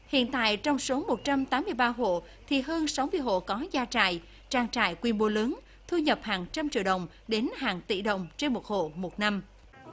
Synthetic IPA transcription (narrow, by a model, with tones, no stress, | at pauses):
hḭ˧˨ənt̪a̰ː˧˨jt͡ɕɔ˧wŋ͡mso˨˦mo˨˩t̚t͡ɕa˧mt̪aː˨˦mːɨ˧əjɓaː˧ɦo̰˧˨ | t̪ʰi˨˩ɦəː˧nsa˨˦wmɨ˧əjɦo̰˧˨kɔ˨˦zaː˧t͡ɕa̰ː˧˨j | t͡ɕaː˧ŋt͡ɕa̰ː˧˩jkwi˧ənɓo˨˦lɨ˨˦ŋ | t̪ʰu˧ɲə˨˩p̚haː˨˩ŋt͡ɕa˧mt͡ɕḭ˧˨əɗə̰˨˩wŋ͡m | ɗe˨˦nhaː˨˩ŋt̪ḭ˧˨ɗə̰˧˨wŋ͡mt͡ɕe˧nmo˨˩t̚ho̰˧˨mo˨˩t̚na˧m